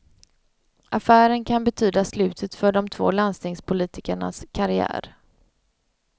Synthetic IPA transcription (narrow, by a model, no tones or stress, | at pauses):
ʔafæːɾənkʰanbɛt̪ʰyːd̪aslʉ̟ːt̪ʰət̪fœɖɔmt̪ʰv̥o̰ːlanst̪ɪŋspʰʊliːt̪ɪkəɳa̰skʰaɾɪæ̰ːɾ